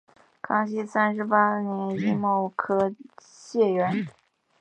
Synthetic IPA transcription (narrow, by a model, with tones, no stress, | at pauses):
kʰɑ˥ŋɕi˥sa˥nʂɻ̩˧˥pa˥njɛ˧˥ni˥˧mo˥˩ʊkʰɤ˥ | ɕjɛ˥˩ɥɛ˧˥n